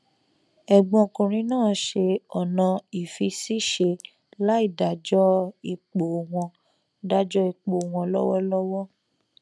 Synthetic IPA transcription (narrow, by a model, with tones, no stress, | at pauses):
ɛ˨ɡ͡bɔ̃˧˨kũ˨ɾ̃ĩ˧˦nãː˦˨˦ʃe˧ɔ˨nã˧i˨fi˧si˦ʃe˧ | la˦i˦˨da˨d͡ʒɔ˦i˧k͡po˨w̃ɔ̃˧ | da˦d͡ʒɔ˦i˧k͡po˨w̃ɔ̃˧lɔ˦wɔ˦lɔ˦wɔ˦